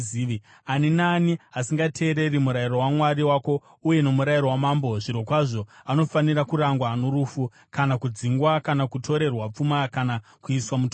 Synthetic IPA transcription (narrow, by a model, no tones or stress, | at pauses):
iː | aninaːniasiŋɡatʰe̞ːɾe̞rimuɾairo̞wamwaɾiwako̞ | uje̞no̞muɾairo̞wamambo̞ʐirokwaʐo̞ano̞fanirakuɾaŋɡwanoɾufu | kanakud͡ziŋɡwakanakutʰo̞ɾe̞rwap͡fumakana | kuiswamuto